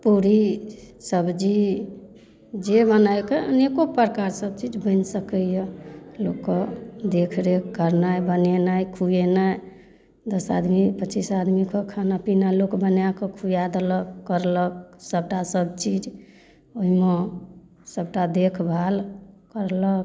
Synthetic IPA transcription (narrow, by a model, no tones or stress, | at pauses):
puɾisəbd͡ʒi | d͡ʒebənaekeənekopəɾkaɾsəb̚t͡ʃid͡ʒbənsəkəjəlokːɔd̪ekʰɾekəɾnajbənenajkʰujenaj | d̪əsa̰d̪mipət͡ʃisad̪mikəkʰanapinalokbənjakɔkʰujad̪eləkːəɾlək̚səb̚ʈasəbt͡ʃid͡ʒ | oɦime | səbʈad̪ekʰbʱalkəɾlək̚